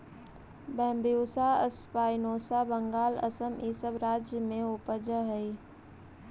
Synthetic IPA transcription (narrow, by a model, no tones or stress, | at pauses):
bɛ̃ːmbijuːsaəspaːɪnoːsabəŋɡaːlə̰səmʔiːsəbɾaːd͡ʒjəmẽʊpəd͡ʒəɦəi